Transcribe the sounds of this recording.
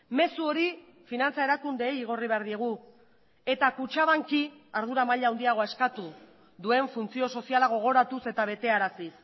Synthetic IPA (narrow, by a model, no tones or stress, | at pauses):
me̞suo̞ɾi | finant͡sae̞ɾakund̪e̞ːjːɣ̞o̞riβe̞aɾðie̞ɣ̞u | e̞t̪akut͡ʃaβaŋkiaɾðuɾamaʎaːwnd̪iaɣ̞o̞e̞skat̪u | ðue̞ɱfunt͡sio̞so̞sialaɣ̞o̞ɣ̞o̞ɾat̪use̞t̪aβ̞e̞t̪e̞aɾasis